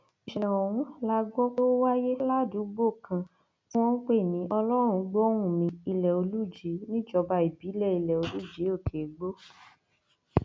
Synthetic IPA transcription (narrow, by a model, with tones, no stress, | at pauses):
i˨ʃi˨ã˨o˨wũ˨˦la˦ɡ͡bɔ˦ko˦wa˦je˦la˦˨du˨˦ɡ͡bo˦˨kʰã˧ | tĩ˦w̃ɔ̃˦k͡pe˦˨nĩ˨˦ʔɔ˧lɔ˦ɾ̃ũ˧ɡ͡bo˦ɾ̃ũ˦˨mĩ˧˦i˧lɛ˨o˧lu˦˨d͡ʒi˨˦nĩ˦d͡ʒɔ˧ba˧i˨bi˨˦lɛ˦˨i˧lɛ˨o˧lu˦˨d͡ʒe˨˦o˦˨kʰe˨˦ɡ͡bo˦